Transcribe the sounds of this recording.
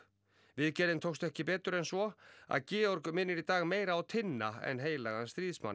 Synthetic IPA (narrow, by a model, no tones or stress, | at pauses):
vɪðcɛɾðɪnt̪ʰowst̪ɛhcɪpɛːt̪ʏɾɛnsvɔa̰ðcɪːɔɾkʏmɪnːɪɾit̪aːɣmeːjɾaːwt̪ʰɪnːaɛ̰nɦeːjlaɣanst̪ɾiːðsma̰n